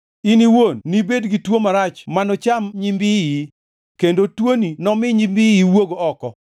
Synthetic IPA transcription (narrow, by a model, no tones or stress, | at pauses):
iniwonːibedɡitwomaɾat͡ʃmanɔt͡ʃamɲimbii | kendotwoninɔmɪɲimbiiwoɡoɔkɔ